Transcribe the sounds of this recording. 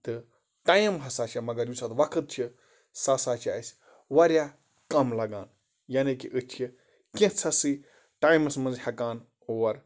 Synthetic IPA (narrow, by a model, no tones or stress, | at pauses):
t̪ɨ | ʈaːjmɦɐsaːt͡ʃʰamɐɡɐɾjusat̪ʋɐkʰɨt̪̚t͡ʃʰi | saːsaːt͡ʃʰa̰ːsʲ | ʋɐɾjaː | kɐmlɐɡaːn | jaːnikiʔɨt͡ʃʰi | kẽt͡sʰɐsɨ | ʈaːjmɐsmɐ̃nzhɐkaːn | oːɾ